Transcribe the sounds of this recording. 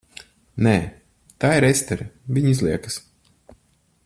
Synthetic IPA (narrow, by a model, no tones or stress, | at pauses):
nɛː | t̪aːiɾɛst̪ɛɾvʲiɲizlˠiɛkɨs